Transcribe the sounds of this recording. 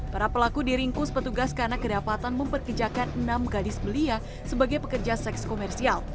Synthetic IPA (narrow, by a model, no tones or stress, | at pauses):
paɾapəlakudiɾiŋkʊspət̪uɡaskaɾənakədapat̪anməmpərkərd͡ʒakanənamɡadɪsbəlia | səbaɡajpəkərd͡ʒasɛkskomɛrsial